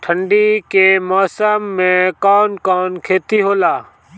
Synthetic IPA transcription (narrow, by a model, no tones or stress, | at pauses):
ʈʰəɳɖikemɔːsəmːẽkɔːnkɔːnkʰeːt̪iɦoːlaː